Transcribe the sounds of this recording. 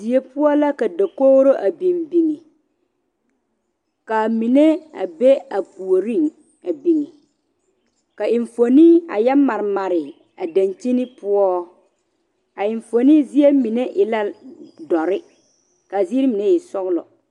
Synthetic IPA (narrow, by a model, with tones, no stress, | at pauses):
zi˨e˦pʊ˦ɔ˦la˦ka˨da˨ko˦ɣɾo˦ʔa˨bi˨mbi˨ŋi˨ | ka˨mi˨ne˦a̰˨be˦a˨pu˨o˨ɾi˦˨ŋ | a˨bi˨ŋi˨ | ka˨ɪ˨ɱfo˨ni˦a̰˨jɛ˦ma˨ɾɪ˨ma˨ɾɪ˨ | a˨da˨nt͡ʃi˦ni˦pʊ˦ɔ˦ | a˨ɪ˨ɱfo˨ni˦zi˦e˦mi˨ne˦ʔɪ˨la˦dɔ˨ɾɪ˦ | ka˨zi˦ɾi˦mi˨ne˦jɛ˨sɔ˦ɣlɔ̰˨